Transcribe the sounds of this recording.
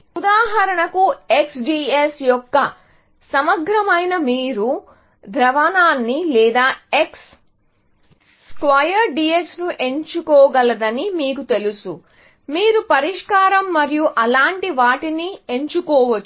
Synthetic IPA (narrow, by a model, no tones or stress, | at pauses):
ud̪aːɦɐɾɐɳɐkueksɖiːesjɔkːɐ | sɐmɐɡɾɐmɐjnɐmiːɾu | d̪ʱɾɐʋɐnaːnːilɛːd̪aːe̞ks | kʋɐjɐɾɖiːeksnuʔe̞ɲt͡ʃukɔːɡɐlɐd̪ɐnimiːkut̪e̞lusu | miːɾupɐɾiʂkaːɾɐmːɐɾijuʔɐlaːɳʈiʋaːʈinie̞ɲt͡ʃukɔːʋɐt͡ʃː